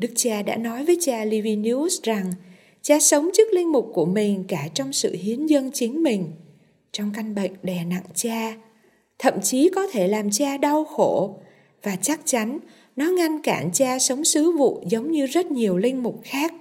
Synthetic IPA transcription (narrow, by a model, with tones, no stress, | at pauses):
ɗɨ˦˥k̚t͡ɕaː˧ɗa̰ː˧˥nɔ˨˦jvəː˨˦jt͡ɕaː˧li˧vi˧ni˧˦˥sza˨˩ŋ | t͡ɕaː˧sə˨˦wŋ͡mt͡ɕɨ˦˥k̚lï˧ŋ̟mʊ˨˩k͡p̚ku˧˩əmï˨˩ŋ̟kaː˧˩t͡ɕɔ˧wŋ͡msɨ̰˧˨hi˨˦ənzə˧nt͡ɕï˨˦ŋ̟mï˨˩ŋ̟ | t͡ɕɔ˧wŋ͡mka˧jŋ̟ɓə̰˧˨jŋ̟ɗɛ˧˩na̰˧˨ŋt͡ɕaː˧ | t̪ʰə̰˧˨mt͡ɕi˨˦kɔ˨˦t̪ʰe˧˩laː˨˩mt͡ɕaː˧ɗa˧wxo˧˩ | vaː˨˩t͡ɕa˦˥k̚t͡ɕa˨˦n | nɔ˨˦ŋa˧nkaː˧˩nt͡ɕaː˧sə˨˦wŋ͡msɨ˨˦vṵ˧˨zə˨˦wŋ͡mɲɨ˧zə˦˥t̚ɲi˨˩əwlï˧ŋ̟mʊ˨˩k͡p̚xaː˦˥k̚